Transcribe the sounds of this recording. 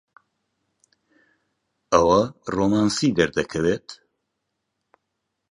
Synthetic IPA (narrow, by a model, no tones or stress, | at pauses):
ɐwɐroːmaːnsid̪ɐɾd̪ɐkʰɐveːt̪